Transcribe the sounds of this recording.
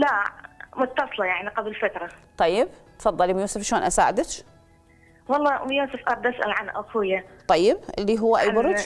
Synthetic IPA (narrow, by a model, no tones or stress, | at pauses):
lamʊt̪ːɑsˤlɑjaʕniqablfat̪ɾˤɑt̪ˤɑjːɪb̚t̪fɑðˤːɑlimjuːsɪfʃoːnʔasa̰ːʕɪd̪ɪt͡ʃ | wɑlˤːɑːmjuːsʊfʔɑɾˤd̪ʔasʔa̰lʕanʔʊkujat̪ˤːɑjːɪbʔɪlːiɦʊwːaʔajbʊɾˤud͡ʒ